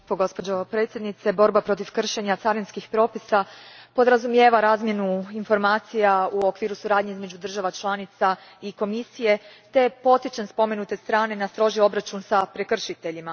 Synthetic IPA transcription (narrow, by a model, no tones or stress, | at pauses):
poɡo̞spo̞d͡ʑo̞pɾe̞ːt̪sʲje̞d̪nit̪se̞bo̞ɾbapɾo̞t̪̬iʋkr̩ʃeɲat̪saɾinskixpɾo̞ːpisapo̞d̪ɾazumje̞ːʋaɾaːzmje̞nuinfo̞ɾmaːt̪sijauo̞kʋiːɾusuɾaːd̪ɲe̞izme̞d͡ʑud̪r̩ʒaʋat͡ʃlˠanit̪saiko̞misije̞t̪e̞jepo̞t̪it͡ʃanspo̞me̞nut̪e̞st̪ɾaːne̞nast̪ɾo̞ʒio̞bɾat͡ʃunsapɾe̞kr̩ʃit̪e̞ʎima